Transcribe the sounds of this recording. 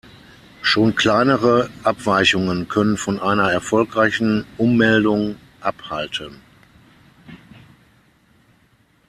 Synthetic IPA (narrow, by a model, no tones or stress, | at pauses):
ʃoːnkʰl̥aɪnəʁəʔapv̥aɪçʊŋənkʰœnənfɔnʔaɪnɐɛɐfɔlkʁaɪçn̩ʔʊmːɛldʊŋ | ʔapha̰ltʰən